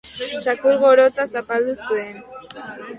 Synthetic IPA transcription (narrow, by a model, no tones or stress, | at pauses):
t͡ʃakuɾɣoɾot͡sasapald̪usuen